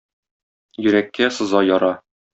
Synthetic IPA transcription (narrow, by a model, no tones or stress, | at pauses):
jɵ̆ɾækːæsɤ̆zɑjɒɾɑ